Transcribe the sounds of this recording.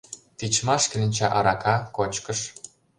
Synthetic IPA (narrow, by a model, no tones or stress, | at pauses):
t̪it͡ɕmɑʃkelʲɘ̆nʲt͡ɕɑʔɑɾɑkɑkot͡ɕkə̆ʃ